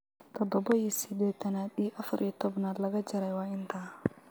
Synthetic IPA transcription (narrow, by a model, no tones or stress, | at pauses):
t̪ʰɔd̪ɔbɔiːsɪd̪ɛːt̪ʰɐnaːd̪iːʔɐfɐɾʔiːt̪ʰɔbnaːd̪lɐɣɐt͡ʃɐɾɛjwɑːɪnt̪ʰaː